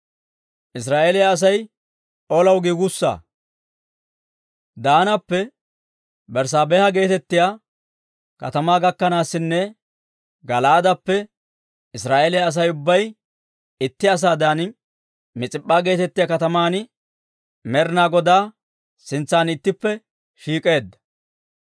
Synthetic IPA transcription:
ʔɪs̬ɾaːʔeːlɛjaːs̬ɐj | olɐwɡiːɡʊsːa̰ː | d̪aːnɐpːɛ | bɛɾs̬aːbeːhɐɡe̞ːt̪ɛt̪ːɪja | kɐ̰t̪ɐmaːɡɐkːɐnaːsːɪnːɛ | ɡɐlaːd̪ɐpːɛ | ɪsɾaːʔelɛjɐs̬ɐjʊbːɐj | ɪt̪ːɪɐs̬aːd̪aːn | mɪt͡sʼɪpʼːaːɡe̞ːt̪ɛt̪ːɪjakɐt̪ɐmaːn | mɛɾɪnaːɡɔd̪aː | sɪnt͡sːaːnɪt̪ːɪpːɛ | ʃiːkʼe̞ːd̪ːɐ̥

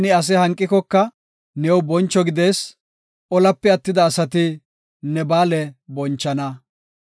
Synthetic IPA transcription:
nɪɐs̬ɛhɐŋkʼːɪkɔkːɐ | nɛːwbɔnt͡ʃːɔɡɪd̪eːs | ʔɔlɐpːɛɐt̪ːɪd̪ɐːsɐt̪ɪ | nɛbaːlɛbɔnt͡ʃːɐnɐ

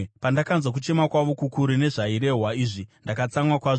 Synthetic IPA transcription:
pandakanzwak̬ut͡ʃe̞makwaʋo̞kukuɾine̞ʐaiɾe̞ɦwaiʐindakat͡samwakwaʐ

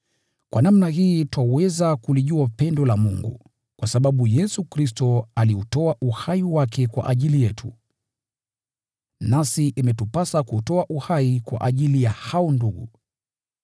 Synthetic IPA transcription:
kwʔanamnaɦiːtwawɛzakuliʄuapɛndɔlamuŋɡṵ | kwasaɓaɓujɛsukɾis̬tɔaliutɔaʔuhaiwakɛkwa̰ʔaʄilijɛtʰṵ | nasiʔimɛtupasakutɔaʔuhaikwa̰ʔaʄilijahaɔnduɠu

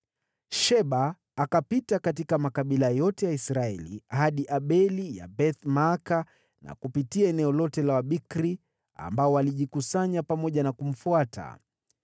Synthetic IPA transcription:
ʃɛɓaː | kapitakatikamakaɓilajɔtɛjaisɾaɛlḭhaɗiʔaɓɛlija̰bɛθmaːka | na̰kupitiaɛnɛɔlɔtɛlawaɓikɾi | a̰mbaɔwaliʄikusaɲapamɔʄanakum̩fuatʰa̰

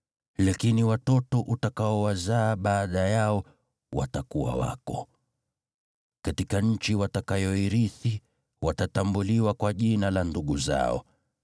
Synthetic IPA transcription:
lakiniwatɔtɔʔutakaɔwazaːɓaːɗajaɔ | wa̰takuwa̰wa̰kɔ̰ | katikaɲ̩t͡ʃiwatakajɔiɾiθi | watatambuliwakwaʄinalanduɠuza̰ɔ̰

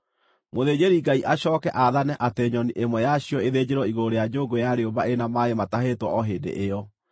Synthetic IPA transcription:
moðeːd͡ʑeɾiɡaiʔaɕɔːkɛʔaðanɛʔateɲɔniʔemwɛjaɕiɔeðeːd͡ʑeɾɔiɣooɾejad͡ʒoɡojaɾeobaenamaemataɦetwɔɔɦeːdḛʔeɔ

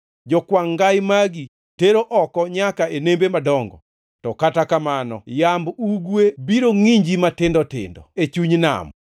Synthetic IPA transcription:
d͡ʒɔkwaŋɡajmaɡi | teɾoʔɔkɔɲakaenembemadɔŋɡɔ̰ | tɔkatakamanɔ̰jambuɡwebiɾoŋiɲd͡ʒimatɪndɔtɪ̰ndɔ̰et͡ʃuɲna̰m

